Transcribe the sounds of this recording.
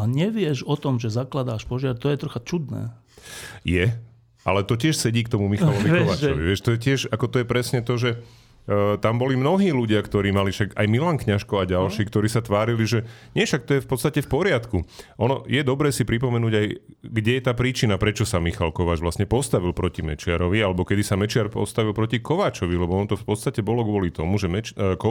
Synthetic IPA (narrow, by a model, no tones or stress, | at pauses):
aɲɛʋɪɛʒɔt̪ɔmʒɛzaklad̪aːʃpɔʒɪaɾt̪ɔjɛt̪ɾɔxat͡ʃud̪nɛ̰ː | jɛ | ʔalɛt̪ɔcɪɛʃsɛɟiːkt̪ɔmumixalɔʋikɔʋat͡ʃɔʋḭʋɪɛʃt̪ɔjɛcɪɛʃakɔt̪ɔjɛpɾɛsɲɛt̪ɔʒɛ | t̪ambɔlimnɔɦiːluɟɪakt̪ɔɾiːmalifʃaɡa̰jmilaŋkɲaʃkɔaɟalʃiːkt̪ɔɾiːsat̪ʋaːɾiliʒɛɲɪɛfʃak̚t̪ɔjɛfpɔt̪st̪acɛfpɔɾɪat̪kuʔɔnɔ̰jɛd̪ɔbɾɛːsipɾip̬ɔmɛnuːɟaj | ɡɟɛjɛt̪aːpɾiːt͡ʃinapɾɛt͡ʃɔsamixalkɔʋaːd͡ʒʋlasɲɛpɔst̪aʋilpɾɔcimɛ̰t͡ʃɪa̰ɾɔʋialɛbɔkɛd̪isamɛt͡ʃɪaɾpɔ̰st̪aʋilˠpɾɔcikɔʋaːt͡ʃɔʋilɛbɔɔnɔt̪ɔfpɔt̪st̪acɛbɔlɔɡʋɔlit̪ɔmuʒɛmɛt͡ʃkɔ